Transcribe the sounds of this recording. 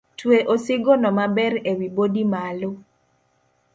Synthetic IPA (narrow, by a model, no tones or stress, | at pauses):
tweʔosɪɡonɔmabɛɾewibodimalo